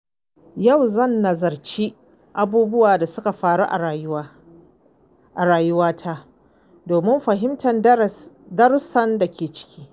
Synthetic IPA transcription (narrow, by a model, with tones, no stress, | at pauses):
jɐ˦˨wzɐ˦˨nːɐ˨zɐ˨rt͡ʃiː˦ | ʔa˨buː˦bʊ˦waː˨da˨sʊ˦ka˨ɸaː˨ɽu˦ʔa˨˦ | ʔa˨ɾaː˨jʊ˦waː˦tʰaː˦ | doː˨mɪ˦mɸɐ˨ɦɪ˦mtʰɐ˨n | dɐ˦ɾsɐ˦nda˨kʲʰeː˨t͡ʃɪ̥˦kʲʰi̥ː˦